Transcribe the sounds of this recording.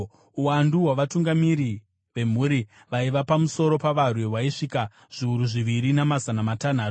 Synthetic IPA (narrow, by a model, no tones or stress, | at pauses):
uwanduwaʋatuŋɡamiɾi | ʋe̞m̤uɾi | ʋaiʋapamuso̞ɾo̞paʋarwewaiʂika | ʐ̥iuɾuʐiʋiɾinamazanamatan̤aːtu